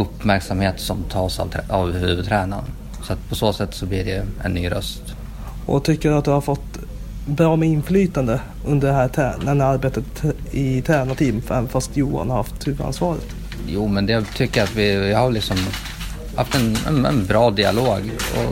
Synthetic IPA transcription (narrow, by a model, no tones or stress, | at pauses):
ɵpːmæɾksamheːt̪sɔmt̪ʰɑːsa̰vʰavhʉːvɵd̪t̪ʰɾɛːna̰n | sɔat̪pʰɔsoːsɛt̪ːsɔblɪɖɛɛ̰nːyːɾœ̰st̪ | ʔɔ̰t̪ʰʏkːəɖɵat̪d̪ɵhaɾfɔt̪ː | bɾɑːmɛɪnflyːt̪and̪ə | ɵnd̪əɖɛɦæːʈʰænɛnaɾbeːt̪ət̪ɪt̪ʰæːnat̪ʰiːvmfɛnfast̪juːa̰nhaɾhaft̪hʉːvəɾa̰nsvɑːɾə̰t̪ | juːmɛnd̪ɛt̪ʰʏkːəɾat̪vɪjɑhaɾlɪksɔm | ha̰ft̪ɛnɛ̰nɛ̰nbɾɑːd̪ɪa̰loːɡɔ̰